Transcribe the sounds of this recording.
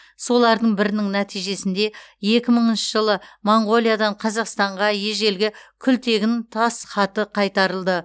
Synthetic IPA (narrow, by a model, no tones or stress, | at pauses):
so̞lˠɑɾd̪əɴbɪɾɪnɪŋnæt̪ʰijʒe̞sɪnd̪e̞je̞kʲɪməɴənʃəʒəlˠəmoɴɡo̞lˠijad̪ɑɴqʰɑzɑqst̪ɑɴʁɑje̞ʒe̞lɡʲɪkʲʰʏlt̪e̞ɡʲɪnt̪ʰɑsχɑt̪əqʰɑjt̪ɑɾəlˠd̪ə